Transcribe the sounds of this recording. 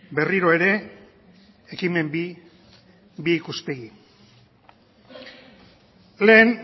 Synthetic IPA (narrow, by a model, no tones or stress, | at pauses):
be̞riɾo̞e̞ɾe̞ | ekime̞mbi | biːkuspe̞ɣi | le̞ːn